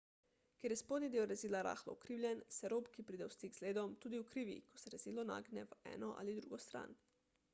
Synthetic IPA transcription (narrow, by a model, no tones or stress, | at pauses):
kʲeɾjɛspoːd̪nid̪eːwɾɛziːlaɾa̰ːxlɔ̰ukɾiːwlʲjɛnsɛɾoːpkipɾiːd̪ɛwst̪iɡz̥leːd̪ɔmt̪uːd̪iwkɾiːʋḭkɔsɛɾɛziːlɔna̰ːɡnɛʋɛ̰ːnɔʔa̰lid̪ɾuːɡɔst̪ɾa̰ːn